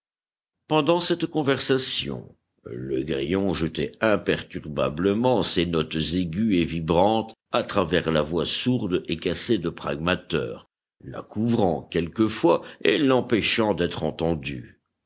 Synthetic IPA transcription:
pɑ̃d̪ɑ̃sɛt̪kɔ̃vɛʁsasjɔ̰̃ | ləɡʁijɔ̃ʒət̪ɛɛ̃pɛʁt̪yʁba̰bləmɑ̃senɔt̪zeɡʲyevibʁɑ̃t̪ | at̪χavɛʁlavwasuʁd̪ekased̪əpχa̰ɡmat̪œ̰ːʁ | la̰kʰuvʁɑ̃kʲɛlkəfwaelɑ̃pɛʃɑ̃d̪ɛt̪χɑ̃t̪ɑ̃d̪y

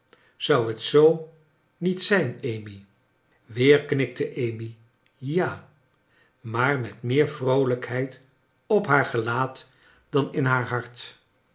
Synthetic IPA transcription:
z̥ʌwɦətsow | nitsɛjnejmi | ʋɪːɹknɪk̚təʔejmi | jaː | maːɹmɛtmɪːɹvrowləkɦɛjt | ɔpɦaːɹχəlaːt | d̥ɑnɪnɦaːɹɦɑɹt

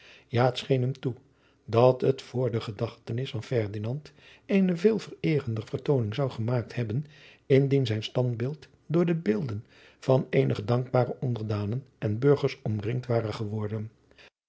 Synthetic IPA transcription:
jaːətsχejnɦɛmtu | dɑtətfʊːɹdəχədɑχtənɪsfɑnfɛɹdinɑnt | ejnəvɪːlˠvərɪːrəndəvəɹtownɪŋzʌwχəmaːk̚thɛbən | ɪndinzɛjnstɑndbɪlˠt | dʊːɹdəbɪlˠdən | v̥ɑnejnʔəχədɑŋɡ̚baːrəʔɔndəɹdaːnənʔɛnbɵɹχəɹsɔmrɪŋtʋaːrəχəʋɔɹdən

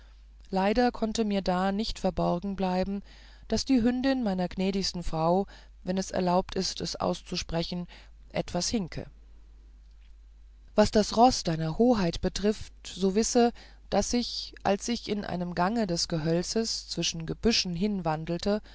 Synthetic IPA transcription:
laɪdɐkʰɔntəmiːɐdaːnɪçtfɛɐbɔɐɡŋ̩blaɪbm̩ | d̥asd̥iːɦʏndɪnmaɪnɐɡnɛːɾɪçstn̩fʁ̥aʊ | vɛnɛsɛ̰ɐlaʊp̚tʰɪstɛsʔa̰ʊst͡suʃpʁ̥ɛçn̩ | ʔɛ̰tv̥ashɪŋkʰə̰ | vasd̥asʁɔsd̥aɪnɐhoːɦaɪtb̥ətʁ̥ɪftz̥oːvɪsə | d̥asɪçʔa̰lsɪçɪnʔa̰ɪnəmɡaŋədɛsɡ̥əɦœlt͡səst͡sv̥ɪʃn̩ɡəbʏʃn̩ɦɪnvandl̩tʰə

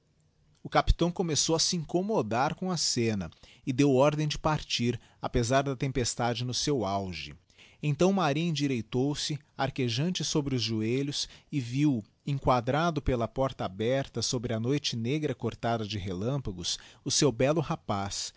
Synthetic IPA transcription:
ʊkapi̥t̪ɐ̃w̃komesowɐsɪĩŋkomod̪aɾkõw̃ɐsẽnɐ̰ | ɪd̪ewɔɾd̪ẽj̃d͡ʒɪpaɾt͡ʃiɾ | apezaɾd̪ɐt̪ẽmpest̪ad͡ʒɪnʊsewawʒɪ̰ | ẽnt̪ɐ̃w̃maɾĩĩd͡ʒiɾejt̪owsɪ | aɾkeʒɐ̃nt͡ʃɪsobɾɪʊzʒueʎʊsɪviw | ẽŋkwad̪ɾad̪ʊpelɐpɔɾt̪ɐabɛɾt̪ɐsobɾɪɐnojt͡ʃɪneɡɾɐkoɾt̪ad̪ɐd͡ʒɪɦelɐ̃pɐɡʊsʊsewbɛlʊhapas

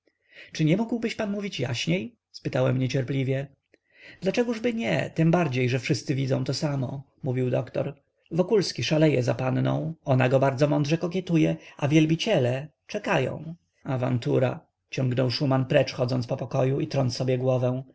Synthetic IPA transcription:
t͡ʂɘɲɛmuɡwbɘɕpanmuvʲit͡ɕja̰ɕɲej | spɘt̪awɛmɲɛt͡ɕɛɾplʲivʲjɛ | d̪lat͡ʂɛɡuʐbɘɲɛ̰t̪ɘmbaɾd͡ʑejʐɛfʂɘst̪sɘvʲid̪zɔ̃w̃t̪ɔsamɔ̰ | muvʲiwd̪ɔkt̪ɔ̰ɾ | vɔkulskʲiʂalɛjɛzapanːɔ̰̃w̃ɔnaɡɔbaɾd̪zɔmɔnd̪ʐɛkɔkʲjɛt̪ujɛʔavʲjɛlbʲit͡ɕɛlɛ | t͡ʂɛkajɔ̰̃w̃ | ava̰nt̪uɾa̰ | t͡ɕɔŋɡnɔwʂumanpɾɛt͡ʂxɔd̪zɔnt̪pɔpɔkɔjuit̪ɾɔnt̪sɔbʲjɛɡwɔvɛ̃w̃

